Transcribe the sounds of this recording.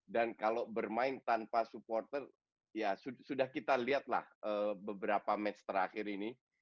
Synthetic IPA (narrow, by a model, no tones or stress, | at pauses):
dankalobərmaɪnt̪anpasuport̪ər | jasusudahkit̪aliɦat̪̚la̰həːbəbəɾapamɛt͡ʃt̪əɾaxɪɾini